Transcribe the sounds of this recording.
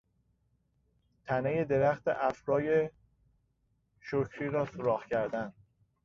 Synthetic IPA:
t̪ʰænejed̪e̞ɾæxt̪ḛʔæfɾɒːje | ʃocʰɾiːɾɒːsoɾɒːhcʰæɾd̪æn

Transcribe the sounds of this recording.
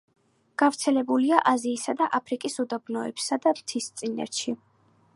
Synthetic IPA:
ɡ̥avɾt̪sʰɛlɛbuliaʔaziːsad̪aʔapʰɾikʼisud̪abnɔɛpsad̪amt̪ʰist̪sʼinɛ̰ɾʃi

